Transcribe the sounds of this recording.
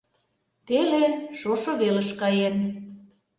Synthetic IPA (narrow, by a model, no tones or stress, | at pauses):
t̪eleʃoʃoβelə̆ʃkɑjen